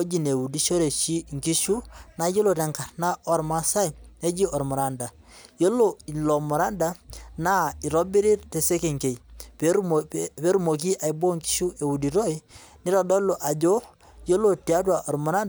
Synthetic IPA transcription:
o˦d͡ʒi˨ne˨wu˨di˦ʃo˦ɾe˨ʃi˦ŋki˦ʃu˦na˦jo˦lo˨tɛ˨ŋka˨ɾna˦ʔɔ˨ɾma˦sa˦jne˦d͡ʒi˦ɔ˨ɾmɔ˨ɾa˨nda˨ | jo˦lo˨i˨lɔ˨mɔ˨ɾa˦nda˨na˦i˨ɾɔ˦bi˦ɾi˦ɾtɛ˨se˦ke˨ŋke˨jp | pe˦ɾu˦mo˨k̬i˦ʔa˨i˨bo˦ŋki̥˦ʃu˦ʔe˨wu˨di˨ɾo˦i˦ | nɪ˦ɾɔ˨dɔ˦lo˨ʔa˨d͡ʒo˦ | jo˦lo˨ti˨a˦twa˨ʔɔ˨ɾmɔ˨ɾa˦nd

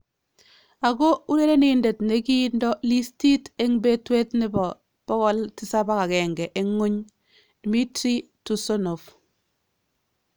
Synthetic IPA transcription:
a˨ɡo˦u˦ɾe˦ɾe˦ni˨nde˨tne˨ki˦ndɔ˦li˦sti˦te˦ŋbe˦twe˦tnɪ˦bɔ˨ | pɔ˦ɣɔ˦ltɪ˦sa˦ba˦ka˨kɛ˨ŋɡɛ˨ʔe˦ŋːo˦ɲ | d̥i˨mi˦tɾi˦ | tu˨so˦no˨f

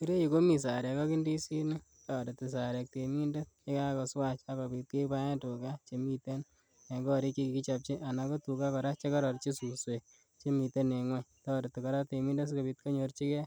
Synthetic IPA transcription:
ki˦ɾe˦ju˨ko˦mi˨s̬a˨ɾɛ˨kɔ˦ki˦ndi˦si˦nɪ˦ | tɔ˨de˨tːi˨s̬a˨ɾɛ˨k̚te˨mi˦nde˦e˦ka˦kɔ˨swa˦t͡ʃa˦ka˨bi˧t̚ke˦ba˦ja˦tu˨ka˦t͡ʃe˨mi˨te˦n | ne˨ɡɔ˦ɾi˦kːi˦ki˨ki˦t͡ʃap̚t͡ʃi˦ʔa˨na˨ko˦tu˨ka˦kɔ˨ɾa˦t͡ʃe˦kɔ˦ɾɔ˨ɾt͡ʃi˦su˨swe˨ | t͡ʃe˦mi˨te˦ne˨ŋwɛ˦tɔde˨tːi˨kɔ˦ɾa˦te˨mi˦nde˦s̬ko˨bi˧t̚ko˦ɲo˧ɾt͡ʃi˦kɛ˦

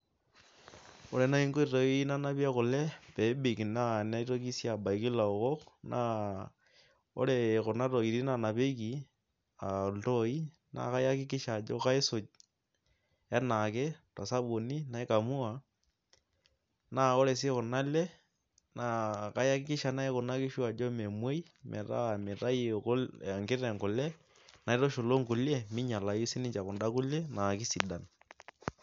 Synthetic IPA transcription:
o̰˨le˨na˦i˦ŋɡo˦i˨ɾo˨i˦i˦na˦na˦βja˦ɣo˨le˦pe˨˦bi˨kna˦na˦i˦ɾo˦ki˦sja˨ba˨i˨ki˦la˨o˨ɣo˦knʔa̰ | o̰˦le˨ɣo˨na˦ro˨ɣi˨ɾii˦na˨na˨βe˦ki˨ | a˨to˦i˦ | na̰˨ɣa˦ja˦ki˦ki˦ʃa˨d͡ʒo̰˦ka˦e˦so˨ | a˦na˨ke˦tɔ˨sa˦ɓo˨ni˦na˨i˦ka˨mu˦a˨ | na˦˨ɔ˦lɛ˨s̬ɪ˦kʊ˨na˦lɛ˦ | na˨˦ka˦ja˦kɪ˦kɪ˦ʃa˨na˦e˦kʊ˨na˦kɪ˦ʃu˦a˨d͡ʒɔ˦mɛ˨mwe˦i˦ | mʔɛ̰˨ɾa̰˦˨mɪ˨ɾa˦ji˨kɔ˦la˨ŋɡɪ˦ɾɛ˨ŋɡʊ˨lɛ˦ | na˨i˦tɔ˦ʃo˨lo˦ŋɡʊ˨lɛ˦mɪ˦ɲa˨la˨ji˦si˦nɪ˦t͡ʃa˨kʊ˨nda˦ku˦lɛ˦na˨ki˦si˨da˨n

